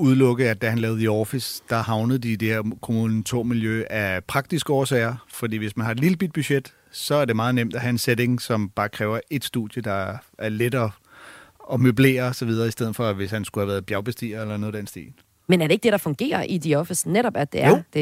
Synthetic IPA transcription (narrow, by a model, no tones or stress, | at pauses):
uð̞ˠlɔ̽ɡ̥əð̩ˠæd̥æhænlɛːʊð̩ˠiɒfisd̥ɑ̈hɑ̈ʊnəð̩ˠd̥id̥e̝heɐkʰo̝munn̩t͡sʰo̰ːmiljøæpʰʁɑ̈ɡ̥̚d̥isɡ̥əɒːsɛɪɐfɒ̽d̥ḭːʋe̝smænɦɑ̈ed̥liləb̥id̥̚b̥yɕed̥ | sɒ̽æɐd̥e̝mɑ̈ːð̞̩ˠnem̰d̥æɦæe̝nsed̥e̝ŋsɒ̽mb̥ɑ̈ːkʰʁɛːʊɐʔe̝d̥sd̥uð̥ˠjəd̥ɑ̈æɐled̥ɐ | ɒ̽møble̝̰ːɐsɒ̽ʋið̞ˠɐːisd̥eð̞̰̩ˠfɒ̽ʋe̝shænsɡ̥uhæʋæːɐð̩ˠb̥jæɐʊb̥e̝sd̥ḭːɐelɐno̽ðˠensd̥ḭːn | menæɐɾe̝ɡ̥̚d̥eɾ̥ɑ̈fɔ̽ŋɡ̥e̝̰ːɐʔid̥iɒfisneɾɒb̥æd̥e̝ɐod̥e